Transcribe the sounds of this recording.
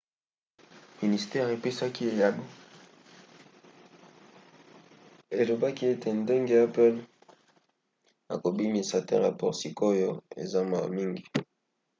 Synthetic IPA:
mi˨ni˨stɛ˦ʁe˨pe˦sa˦ki˦e˨ja˨bo˦ | e˨lo˨ba˦ki˦e˦tʰe˨nde˦ŋɡe˦a˦pɛ˦l | a̰˨ko˨bi˦mi˨sa˨tɛ̰˦la˨pɔ˨ʁsi˨ko˦jo˦ḛ˨za˦ma̰˨mi˦ŋɡi˨

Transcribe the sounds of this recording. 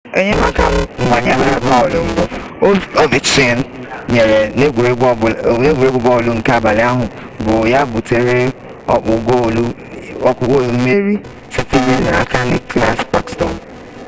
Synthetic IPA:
e˦ɲe˦m˦a˦ka˦mʊ˨a˨ɲe˦ma˨ɾa˨bɔ˦ɔ˨lʊ˦ŋ̩˦ɡ͡bo˦˨˦o˦vi˨t͡ʃe˦˨˦n̩˦ɲe˨ɾe˨ne˦˨˦ne˦ɡe˨ɾe˦ɡʷʊ˨bɔ˦˨lu˦ŋ̩˨ka˦a˨ba˨lɪ˦a˦ɦʊ˨ | bʊ˨ja˦bʊ˨te˨ɾe˦ | ɔ̰˦k͡pʊ˨ɡo˦˨lu˦ | ɔ˦kʊ˨ɡo˦˨lu˨m̩˦me˦ɾi˦ | se˨ti˦me˦na˨a˨ka˦nɪ˨kla˦sba˨kstɔ̰˨n˨

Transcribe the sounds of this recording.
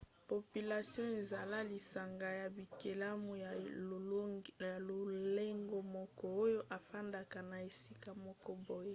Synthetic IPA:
po˨py˨la˨sjɔ̃˦e˨za˨la˦li˨sa˨ŋɡa˨ja˨bi˨ke˨la˦mu˦˨ | ja˨lo˨le˦ŋɡo˦mɔ˦kɔ˦o˦jo˦ʔa˨fa˦nda˨ka˨na˨e˨si˦ka˨mɔ˦kɔ˦bo˦je˦

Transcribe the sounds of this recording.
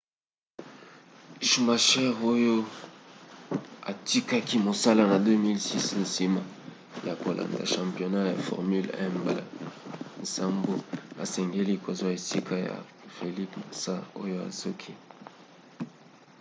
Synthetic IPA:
ʃma˨ʃɛ˦ʁo˦jo˦ | a̰˨ti˦ka˦ki˦mo˨sa˦la˦na˨dø˦mi˦lsi˦s̩˨si˦ma˦ | ja˨ko˨lʔa̰˨nda˨ʃã˨mpjo˨na˦ja̰˨fɔ̰˨ʁmy˦lɛ̰˦mbn̩˨sa˦mbo˦a̰˨sɛ˨ŋɡe˦li˦˨kʰo˨zo˦˨e˨si˦kʰa˦ja̰˨ | fe˨li˦pma˨sa˦o̰˦jo˦a̰˨zo˦kʰi˦

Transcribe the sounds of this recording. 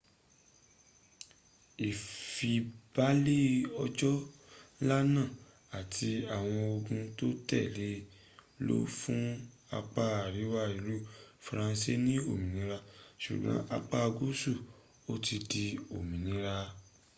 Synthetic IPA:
i˨fi˧b̥a˦le˦ɔ˧d͡ʒɔ˦la˦nã˦˨ | a˨tʰi˧a˨w̃ɔ̃˧o˧ɡũ˧to˦tɛ˦˨le˨˦ | lo̰˦fũ˦ | a˧k͡pa˧a˨ɾi˨˦wa˦˨i˨ɾu˦fɾã˧nse˦nĩ˦o˦˨mĩ˨nĩ˨˦ɾa˧ʃṵ˨ɡ͡bã̰˨˦ʔa˧k͡pa˧ɡu˦su˦˨ | o˦ti˧di˧o˨mĩ˨nĩ˨˦ɾa˧

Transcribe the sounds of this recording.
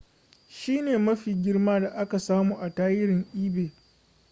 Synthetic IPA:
ʃiː˦neː˨mɐ˦ɸiː˨ɡʲɪ˦rmaː˦da˨ʔa˦ka˨saː˦muː˦˨ʔa˨taː˦jɪ˦ɾɪ˨ŋʔiː˦beː˨

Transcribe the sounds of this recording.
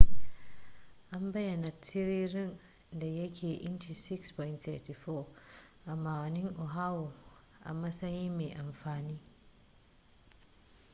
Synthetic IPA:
ʔa˨mba˦ja˨na˨tʰːi˦ɾi˦ɾi˦n | da˨je˦kʲʰeː˨ʔi˦nt͡ʃi˨si˦kspɔ˨jntθɛ̰˨ti˨fɔ˦ | ʔa˨mːaː˨wa˨ni˦ŋʔo˨ɦa˦wo˨ | ʔa̰˨ma˦sa˦ɲi˦me˨ʔa˨mfaː˨ni˦

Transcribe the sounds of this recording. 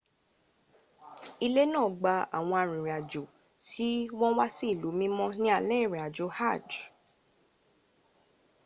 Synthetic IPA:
i˧le˦nãː˦˨ɡ͡ba˧a̰˨w̃ɔ̃˧a˧ɾ̃ĩ˨ɾi˨a˨d͡ʒo˨ | ti˦w̃ɔ̃˦wa˦si˦i˦˨lu˨˦mĩ˦mɔ̃˦nĩ˦a˦˧˨lɛ˦˨ɾi˨a˨d͡ʒo˨˦ha˦˨d

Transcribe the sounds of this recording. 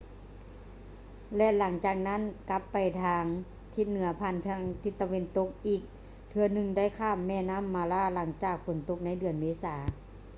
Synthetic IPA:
lɛ˧la˩˦ŋt͡ɕaː˨˩k̚na˦˥˨nka˧˥pːa˨˩jt̪ʰaː˧ŋ | t̪ʰi˧˥t̪̚nɯ˩˦ɐpʰaː˧˥˩nʰa˧˥ŋt̪ʰi˧t̪ːa˧we˧˥˨nt̪o˧k̚ʔiː˨˩k̚ | t̪ʰɯ˧ɐnɯ˧ŋda˥˨jkʰaː˧˥˩mːɛː˧˩naː˧˥˨mːaː˧laː˧˥˩la˩˦ŋt͡ɕaː˨˩k̚fo˨˩˦nt̪o˧˥k̚na˧˥˩jdɯ˨˩ənmeː˧˥saː˩˦

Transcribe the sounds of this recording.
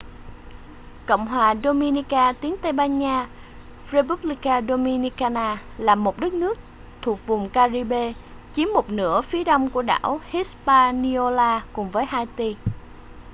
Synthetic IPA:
ko̰˧˨wŋ͡mɦwaː˨˩ɗo˧mi˧ni˧kaː˧t̪i˨˦əŋt̪ə˧jɓaː˧nɲaː˧ | fre˧ɓu˦˥p̚li˧kaː˧ɗo˧mi˧ni˧kaː˧naː˧ | laː˨˩mːo˨˩t̚ɗə˦˥t̚nɨ˦˥ək̚ | t̪ʰu˨˩ək̚vʊ˨˩ŋ͡mkaː˧zi˧ɓe˧ | t͡ɕi˨˦mːo˨˩t̚nɨ̰˧˥əfi˨˦əɗa˧wŋ͡mku˧˩əɗa̰ː˧˩whi˦˥spaː˧ni˧o˧laː˧kʊ˨˩ŋ͡mvəː˨˦jɦaː˧jt̪i˧

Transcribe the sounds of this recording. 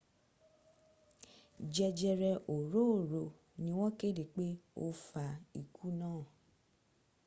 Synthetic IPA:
d͡ʒɛ˧d͡ʒɛ˧ɾɛ˧ʔo˨ɾo˦˨ɾo˨ | nĩ˧˦w̃ɔ̃˦ke˦˨de˨k͡pe˦o̰˧fa˨i˨ku˦nãː˦˨

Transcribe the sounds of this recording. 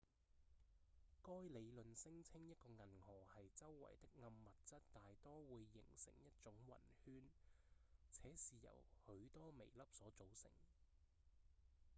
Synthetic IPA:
kɔː˥jle˨˧jlɵ˨nsɪ˥ŋt͡sʰɪ˥ŋjɐ˥t̚kɔː˧ŋɐ˨˩nhɔː˨˩hɐ˨jt͡sɐ˥wːɐ̰˨˩jt̪ɪ˥k̚ŋɐ˧mːɐ˨t̚t͡sɐ˥t̚t̪aː˨jt̪ɔː˥wuː˨˧jːɪ̰˨˩ŋsɪ̰˨˩ŋjɐ˥t̚t͡ʃʊ˨˥ŋwɐ̰˨˩nhyː˥n | t͡sʰɛː˨˥siː˨jɐ̰˨˩whɵ˨˥ɥt̪ɔː˥me˨˩jlɐ˥p̚sɔː˨˥t͡so˨˥wsɪ̰˨˩ŋ

